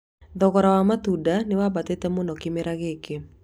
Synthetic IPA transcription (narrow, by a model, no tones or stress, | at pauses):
ðɔɣɔɾawamat̪udanɪwabat̪etɛmɔnɔkɪmeɾaɣeke